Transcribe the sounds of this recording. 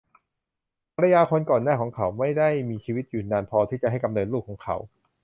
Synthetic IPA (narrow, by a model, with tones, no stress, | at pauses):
pʰa˧ɾa˧jaː˧kʰo˧nkɔː˨˩nːaː˥˩kʰɔː˩˦ŋkʰa˨˦wma˥˩jda˥˩jmiː˧t͡ɕʰiː˧wi˦˥t̪̚juː˨˩naː˧npʰɔː˧t̪ʰiː˥˩t͡ɕa˨ʔɦa˥˩jka˧mnɤː˧nluː˥˩k̚ʰːɔː˩˦ŋkʰa˨˦˥w